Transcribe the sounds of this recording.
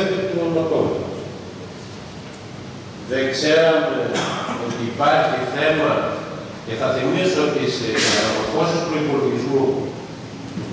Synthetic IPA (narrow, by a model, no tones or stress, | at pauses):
et̪et̪uomokomu | ðekseɾɐmeot̪iːpaɾçiθe̞mɐ | ceθɐθimisot̪isekɐɾɐokosispɾoipolit̪iizmu